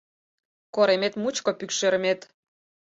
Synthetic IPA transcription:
koɾemet̪mut͡ɕkŏpykʃeɾə̆met̪

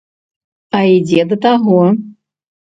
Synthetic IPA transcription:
ɐid͡zʲɛd̪ɐt̪aɣɔ

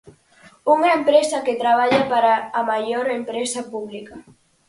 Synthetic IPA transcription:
uŋaempɾɛzaket̪ɾaβ̞aʎapaɾaːmajoɾempɾɛsapuβlika

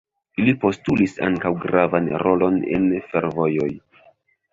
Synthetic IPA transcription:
ilipo̞stulisa̰ŋkawɡɾavanɾo̞lo̞ne̞̰nfe̞ɾvo̞jo̞j

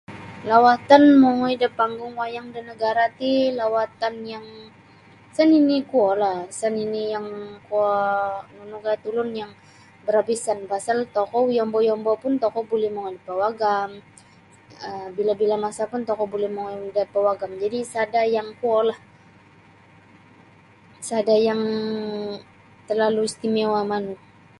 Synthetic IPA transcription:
lawat̪anmoŋɔidəpaŋɡʊŋwajaŋdinəɡaɾat̪ilawat̪anjaŋ | səninikuɔlahsəninijaŋkuɔnunukaat̪ulʊnjaŋ | bəɾabisanbasalt̪ɔkɔjɔmbɔjɔmbɔpʊnt̪ɔkɔbolɛhmɔŋɔdapawaɡam | əbilabilamasapʊnt̪ɔkɔbolɛhmoŋadapawaɡamd͡ʒadisadajaŋkuɔlah | sadajaŋ | t̪ərlaluist̪imewaman

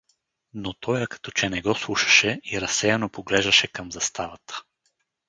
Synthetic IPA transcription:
not̪ɔjəkɐ̥t̪ɔt͡ʃɛnɛɡɔslˠuʃɐ̥ʃɛiɾɐsɛjanopoɡlɛʒd̪ɐʃɛkɐmzɐst̪avɐt̪ə̥

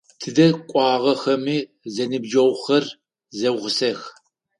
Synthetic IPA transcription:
tʰɨdɐkʷʼɑːʁɐxɐmiː | zɐnɨbd͡ʒɐwχɐr | zɐwʁəsɐx

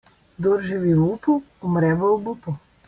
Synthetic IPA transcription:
d̪oɾʒiwiwupu | ɔmɾɛʋɐwbupu

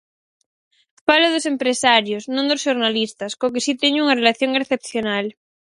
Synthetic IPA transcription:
faloð̞osempɾesaɾjosnõnd̪osʃoɾnalist̪askokesit̪eɲuŋarelaθjoŋeɾθep̚θjonal

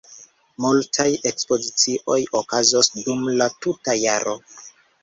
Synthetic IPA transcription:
multʰaje̞kspo̞zit͡siʔo̞jokazosdumlatutajaɾʔo̞

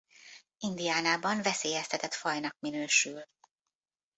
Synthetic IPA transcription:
ind̪ijaːnaːbɒɱvɛseːjɛst̪ʰɛt̪ɛt̪fɒjnɒk̚minøːʃyl

